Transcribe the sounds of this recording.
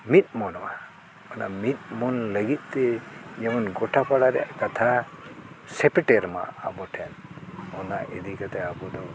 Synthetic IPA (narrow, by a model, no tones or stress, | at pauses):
mit̪̚mɔnɔma | ɔnamit̪̚mɔnləɡit̪̚ˀt̪ɛd͡ʒɛmɔnɡɔʈʰapaɽaɾɛ̰ja̰ʔkat̪ʰa | sɛpiʈɛɾma̰abɔʈʰɛnɔnaʔɛd̪ikat̪ɛabɔd̪ɔ